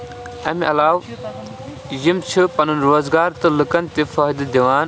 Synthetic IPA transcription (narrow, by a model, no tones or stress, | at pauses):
ɐ̰miʔɐlaːw | jimt͡ʃʰɨpɐnɨnɾoːzɡaːɾt̪ɨlɨkɐnt̪efɐːɦd̪ɐd̪iʋaːn